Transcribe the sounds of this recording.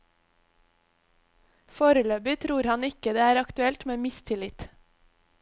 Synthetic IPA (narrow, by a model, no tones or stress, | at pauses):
foːɾəløːbɪt̪ʰɾuːɾhɑnɪkəd̪eːæːɾɑkt̪ʉɛlt̪meːmɪst̪ʰɪlɪt̪